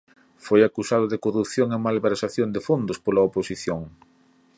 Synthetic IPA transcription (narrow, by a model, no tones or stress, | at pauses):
fojakusaðʊðɪkorupθjoŋemalβeɾsaθjond̪ɪfond̪ʊspolɐoposiθjoŋ